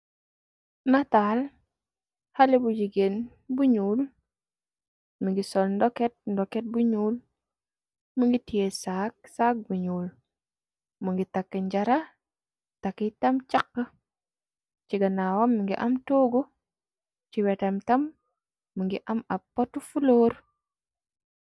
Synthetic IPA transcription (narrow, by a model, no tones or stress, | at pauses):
nataːl | halebuɟiɡen | buɲuːl | miŋɡisɔlndɔket̚ndɔket̚buɲuːl | muŋɡitijesak̚sak̚buɲuːl | muŋɡitakːəɲɟaɾa | takːitɐmt͡ʃakːə | t͡ʃiɡanawamːəŋɡḭʔamtoːɡu | t͡ʃiwɛtamtɐmː | uŋɡiʔɐmapːatufuloːɾ